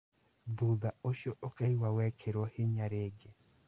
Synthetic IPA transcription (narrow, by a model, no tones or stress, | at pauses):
d̪ud̪aoʃoʔokɛjwawɛkʰeɾohɪɲaɾeɡe